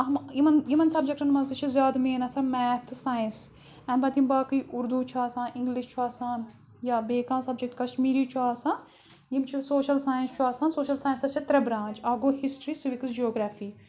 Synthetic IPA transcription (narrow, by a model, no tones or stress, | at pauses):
ɐmimɐnjimɐnsɐbd͡ʒek̚ʈɐnmɐzit͡ʃʰizjaːd̪meːnɐsãːmɛːt̪ʰsaːjĩns | ɛ̃ːbɐt̪imbaːkɨiʔʊɾd̪ut͡ʃʰaːsãːnʔɪ̃ŋɡliʃt͡ʃʰuaːsaːn | jabeːkãːsɐb̚d͡ʒek̚ʈkɐsʈmiːɾiːt͡ʃʰuaːsãː | jimt͡ʃʰisoːʃɐlsaːjĩnst͡ʃʰuaːsaːnsoːʃɐlsaːjĩnsɐst͡ʃʰɐt̪ɾɐbɾãːnt͡ʃaːɡohisʈɾiːsuʋikəsd͡ʒioːɡɾaːfiː